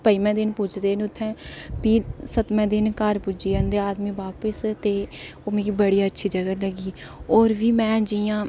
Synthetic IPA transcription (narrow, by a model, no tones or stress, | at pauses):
pəiːmɛ̃ːd̪ɪnpʊt͡ʃʰd̪eːnʊt̪ʰːɛ̃ːpiːsət̪mɛ̃ːd̪ɪnkəɾpʊd͡ʒiːənd̪eːaːd̪mĩːʋaːpəst̪eːoːmẽːkiːbəɽiːaːətːʃʰiːd͡ʒəɡələɡiː | ɔːɾʋiːmɛ̃ːd͡ʒɪjãː